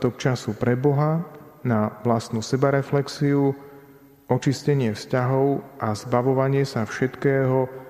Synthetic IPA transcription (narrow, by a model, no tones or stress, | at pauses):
t̪ɔk̚t͡ʃasupɾɛbɔɦa | naʋlast̪nusɛbaɾɛflɛksiu | ɔt͡ʃiscɛɲɪɛfscaɦɔʊʔazbaʋɔʋaɲɪɛsafʃɛt̪kɛːɦɔ